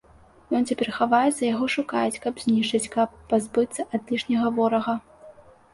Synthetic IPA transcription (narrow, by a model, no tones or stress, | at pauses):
jɔnt͡sʲapʲɛrxavajɛzɐjaɣɔʂukajɛt͡sʲkɐbzʲnʲiʂt͡ʂɨt͡sʲkɐpːazbɨt̪sːɐʔad̪lʲiʂnʲɐɣɐvɔɾɐɣɐ